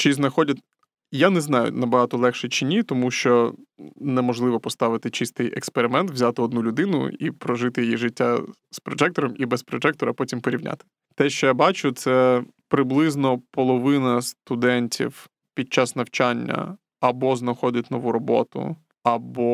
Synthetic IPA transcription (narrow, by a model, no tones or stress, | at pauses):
t͡ʃiznɐxɔdʲɐtʲ | janɛznɑjʊ̰nɐbɐɦɑt̪ɔlˠɛxʃɛt͡ʃɪnʲit̪ɔmuʃt͡ʃɔ | nɛmɔʒlˠɪʋɔpɔst̪ɑʋɪt̪ɪt͡ʃist̪ɪjɛkspeɾɪmɛnt̪ʋzʲat̪ɪɔd̪nulʲʊd̪ɪnʊ̰ḭpɾɔʒɪt̪ɪjijiʐɪtʲːa | spɾɔʒɛk̚t̪ɔɾɔmibɛspɾɔd͡ʒɛk̚t̪ɔɾɐpɔtʲimpɔɾʲiwnʲʔa̰t̪ɪ̥ | t̪ɛʃt͡ʃɔjabɑt͡ʃʊt̪sɛpɾɪblˠɪznɔpɔlˠɔʋɪnɐst̪ʊd̪ɛnʲtʲḭw | pʲid̪̚t͡ʃasnɐwt͡ʃanʲːɐ̰ | ɐbɔznɐxɔdʲɐtʲnɔʋuɾɔbɔ̰t̪ʊ̰ | ɐbɔ